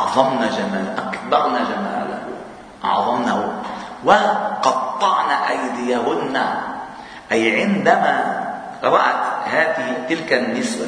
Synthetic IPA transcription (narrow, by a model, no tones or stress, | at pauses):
ɑʕðˤɑmnad͡ʒamaːlʔakbɑɾˤnaʒamaːla̰ | ʔɑ̰ʕðˤɑmnawaqɑt̪ˤːɑʕnaʔajd̪ɪjawʊdna | ʔajʕɪnd̪ama | ɾɑɾˤɑʔt̪haːt̪ɪt̪ɪlkanːɪsba